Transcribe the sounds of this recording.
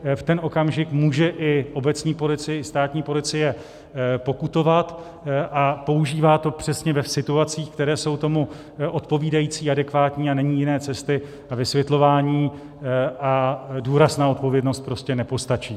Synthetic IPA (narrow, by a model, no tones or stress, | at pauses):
ft̪ɛno̞kamʒɪkmuːʒɛʔɪʔo̞bɛt͡sɲiːpo̞lɪt͡sɪjɛɪst̪aːt̪ɲiːpo̞lɪt͡sɪjɛ | po̞kut̪o̞vat̪ | ʔapo̞uʒiːvaːt̪o̞pr̝̥ɛsɲɛvɛsɪt̪uat͡siːxkt̪ɛɾɛːso̞wt̪o̞mu | ʔo̞t̪po̞viːdajiːt͡siːadɛkvaːt̪ɲiːanɛɲiːjɪnɛːt͡sɛst̪ɪ | avɪsvjɛt̪lo̞vaːɲiː | ʔaduːɾasnao̞t̪̚po̞vjɛdno̞st̪̚pɾo̞scɛnɛpo̞st̪at͡ʃiː